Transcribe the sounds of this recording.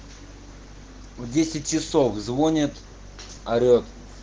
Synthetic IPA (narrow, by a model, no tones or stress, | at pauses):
vdʲesʲɪt̚ʲt͡ʃɪsofzvonʲɪt̪ | ɐɾʲot̪